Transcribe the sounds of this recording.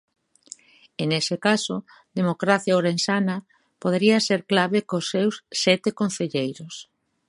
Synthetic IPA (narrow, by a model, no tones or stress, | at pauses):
enesɪkaso | d̪emokɾaθjaoɾensanɐ | poð̞eɾiaseɾklaβekosːewsːɛt̪ekon̟θeʎejɾos